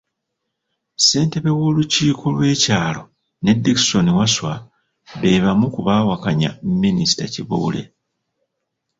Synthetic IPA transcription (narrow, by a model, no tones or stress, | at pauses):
se̞ːnte̞βe̞wo̞ːluciːkʰo̞lwe̞ːcaːlo̞ | ne̞dːiki̥so̞niwaswa | βe̞ːβamukuβaːwakaɲa̰mmːinisi̥taciβuːle̞̰